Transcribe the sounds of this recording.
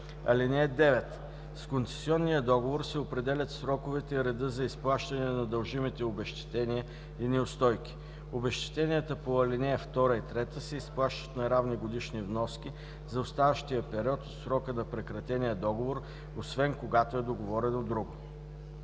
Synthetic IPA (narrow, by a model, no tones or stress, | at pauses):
ɐ̰linɛɛd̪ɛvɛt̪ | skont̪sɛ̥siɔnːijəd̪ɔɡovoɾsɛopɾɛd̪ɛlʲɐt̪sɾɔkʊvɛt̪ɛiɾɛd̪ɤzɐisplˠaʃt̪ɐnɛnɐd̪ɐlˠʒimit̪ɛobɛʃt̪ɛ̥t̪ɛniə | inɛʊst̪ɔjk̟ʲi̥ | obɛʃt̪ɛ̥t̪ɛniət̪əpoɐlinɛjəft̪ɔɾəit̪ɾɛt̪əsɛisplˠaʃt̪ə̥t̪nɐjɾavniɡod̪iʃnivnɔskʲi | zɐost̪avəʃt̪ijəpɛɾiɔt̪ot̪sɾɔkənɐpɾɛkɾɐt̪ɛnʲiəd̪ɔɡovoɾ | osvɛnkoɡat̪oɛd̪oɡovɔɾɛnod̪ɾuɡʊ